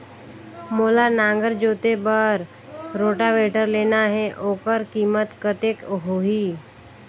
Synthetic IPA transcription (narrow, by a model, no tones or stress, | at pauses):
moːlanãːŋɡəɾd͡ʒoːt̪ebəɾ | ɾoːʈaʋeːʈəɾleːnaɦɛʔoːkəɾkiːmət̪kət̪eːkɦoːɦiː